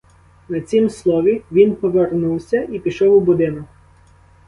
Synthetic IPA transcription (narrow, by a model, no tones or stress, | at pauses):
nɐt͡sʲimslˠɔʋʲiʋʲinpɔʋernuwsʲɐʔipʲiʃɔwʊbʊd̪ɪnɔk